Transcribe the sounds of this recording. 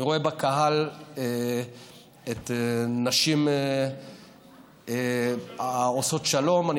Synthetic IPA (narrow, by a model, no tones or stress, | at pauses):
iʁo̞e̞bakaɦale | et̪enaʃim | e | oso̞tʃalo̞mani